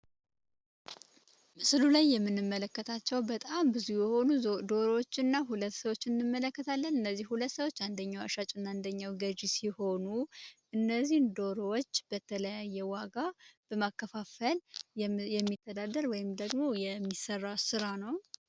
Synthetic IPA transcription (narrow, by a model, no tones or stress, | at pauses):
mɨsɨlulajːɛmːɨnːɨmːələkːət̪ʰat͡ʃːɛwbət̪ʼambɨzihujɛho̞nud̪oɾowot͡ʃːɨnːaɦulət̪ːsəwot͡ʃːɨnːɨmːələkːət̪ʰalːənɨnːəzːihhulət̪ːsəwo̞t͡ʃːand̪əɲːawa̰ʃat͡ʃʼɨnːand̪əɲːawɡəd͡ʒisiho̞nuʔɨnːəzːihnd̪oɾowot͡ʃːb̥ət̪ʰələjajːɛwaɡab̥əmakːəfafəljɛmːit̪ʰːəd̪ad̪əɾwɔjɪmd̪əɡmo̞jɛmːisərːasɨɾanəw